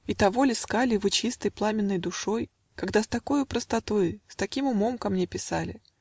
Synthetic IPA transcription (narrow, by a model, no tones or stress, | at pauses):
it̪ɐvo̞lʲɪskalʲɪvɨt͡ɕist̪əjplˠamʲɪnːəjd̪ʊʂo̞j | kɐɡd̪ast̪ɐko̞jʊpɾəst̪ɐt̪o̞jst̪ɐkʲimʊmo̞mkɐmnʲe̞pʲɪsalʲɪ̰